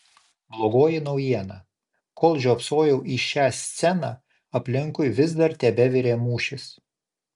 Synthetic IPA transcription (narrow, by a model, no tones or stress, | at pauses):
blˠoːɡoːjɪnɒʊjiɛnɐ | kʰolˠʒʲoːpsoːjɛʊʔiʃʲæːsʲt̪sʲɛnɑː | ɐpʲlʲɪŋkʊɪʋʲɪz̬d̪ɐɾt̪ʲɛbʲɛʋʲɪɾʲeːmuːʃʲɪs